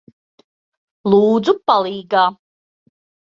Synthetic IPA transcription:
lˠuːd̪zupalˠiːɡaː

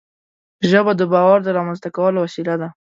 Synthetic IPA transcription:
ʒəbad̪əbɑwɑɾd̪əɾɑmanzt̪akawəlowasilad̪a

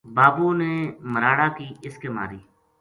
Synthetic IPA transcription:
baːbuːneːməɾaːɽaːkiːɪskeːma̰ːɾiː

